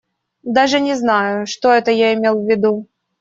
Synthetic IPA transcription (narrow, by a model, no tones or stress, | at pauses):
d̪aʐɨnʲɪznajʊʂt̪oɛt̪əjaɪmʲe̞lˠvʲːɪd̪u